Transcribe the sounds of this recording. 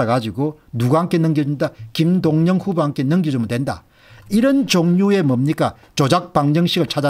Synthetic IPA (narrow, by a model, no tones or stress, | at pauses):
aɡad͡ʑiɡo | nuɡaɦaŋkʰenɯŋɡid͡ʑondakimdoŋɲʌŋɸuboaŋkʰe̞nɯŋɡid͡ʑomdwenda̰ | iɾʌnt͡ɕoŋɲue̞mʌmɲik͈a | t͡ɕod͡ʑak̚paŋd͡ʑʌŋɕʰiɡɯɭt͡ɕʰad͡ʑa